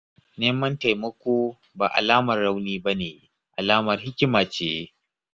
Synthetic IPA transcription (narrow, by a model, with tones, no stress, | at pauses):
neː˦mɐ˦nta˨jmɐ˦kʷoː˦ | ba̰ː˨ʔa̰˨laː˦mɐ˨rːa˦wniː˦ba˦neː˨ | ʔa˨laː˦mɐ˨rhɪ˦kʲɪ˦maː˨t͡ʃeː˨je˦